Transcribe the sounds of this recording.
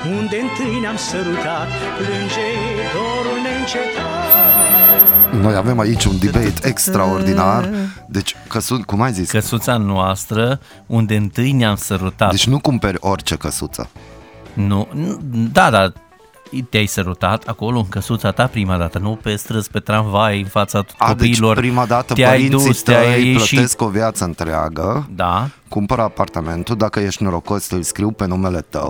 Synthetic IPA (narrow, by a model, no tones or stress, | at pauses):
und̪eɨnt̪ɨjneamsəɾut̪at̪ | plɨnd͡ʒe | ɾoɾulneɨnt͡ʃek̪a | no̞jave̞mait͡ʃʲund̪ibejt̪ekst̪ɾaord̪inard̪e̞t͡ʃʲkəsukumajziskəsut̪sanoast̪ɾə | und̪e̞ɨnt̪ɨjneamsəɾut̪ad̪et͡ʃʲnukumpeɾʲo̞rʲt͡ʃe̞kəsut̪sə̰ | nunud̪ad̪a | t̪eajsəɾut̪at̪ʰako̞lo̞ɨŋkəsut̪sat̪apɾimad̪at̪ənupest̪ɾɨspe̞t̪ɾaɱvajɨnfat̪sḁod̪eiːlo̞rpɾimad̪at̪ət̪eajind̪suist̪eajləʃieskovjat̪səɨnt̪ɾea̰ɡəd̪akumpəɾəapart̪ame̞nt̪ud̪akəjeʃt̪noɾokost̪ɨlʲskɾiwpenumelet̪ə̰w